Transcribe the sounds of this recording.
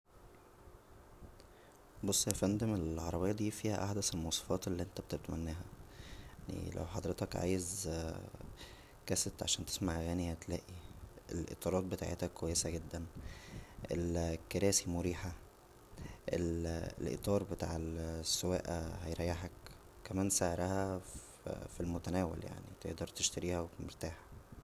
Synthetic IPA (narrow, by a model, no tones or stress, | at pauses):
bosˤːæfænd̪emelʕɑɾˤɑbejːɑd̪iːfiːhæ̰ʔaħd̪æselmɑwsˤe̥fɑːt̪elːiːʔent̪æbet̪ebet̪mænːæːɦæ | nḭlæ̰wħɑd̪ˤɾet̪ɑkʕa̰ːjez | kæset̪ʕaʃæːnt̪e̥smaʕɣæːnihæt̪læːʔiḛlʔḛt̪ˤɑːɾˤɑːt̪̚bet̪a̰ʕḛt̪ækːowæjːesæɡed̪ːæn | ʔḛlkːeɾæːsimoɾiːħa | ʔellʔḛt̪ˤɑːɾˤbet̪a̰ːʕelsːowæːʔæhæjɾˤæjːaħæk | kæmæːnseʕɾˤæhæ | filmot̪ænæːwæ̰lja̰ʕnḭt̪ḛʔd̪ɑɾˤt̪eʃt̪æɾiːhæwemeɾt̪aːħæ